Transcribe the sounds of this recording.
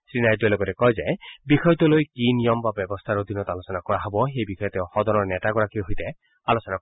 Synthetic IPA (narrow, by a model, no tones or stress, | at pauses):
sɹinajduɛlɔɡɔtɛkɔjzajbixɔjɔt̪ɔlojkinijɔmbabɛbɔst̪ʰaɾɔd̪ʱinɔt̪alosɔnakɔɹaɦɔbɔxejbikʰɔjɔt̪ɛwxɔd̪ɔnɔɹnɛtaɡɔɹakiɦoijt̪ɛ | alosɔna